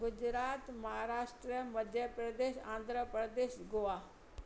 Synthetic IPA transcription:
ɡʊd͡ʒɾaːt̪mɐɦaːɾaːʃʈɾiəmɐd̪ʱjəpɾəd̪eːʃã̰ːnd̪ʱɾəpɾəd̪eːʃɡoaː

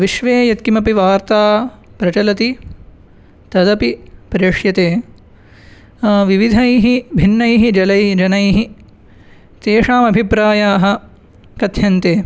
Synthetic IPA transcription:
ʋiʃʋeːjɐt̪̚kimɐpiʋaːɾt̪aːpɾɐt͡ʃɐlɐt̪i | t̪ɐd̪ɐpipɾeːʂjɐt̪eː | ʋiʋid̪ʱɐjɦibʱinːɐjɦid͡ʒɐlɐjd͡ʒɐnɐjɦi | t̪eːʂaːmɐbʱipɾaːjaːɦɐ̆ | kɐd̪ʱʰjɐnt̪eː

